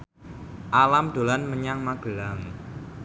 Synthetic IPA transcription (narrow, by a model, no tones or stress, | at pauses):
ʔalamɖ̥o̤lanməɲaŋmaɡ̥əlaŋ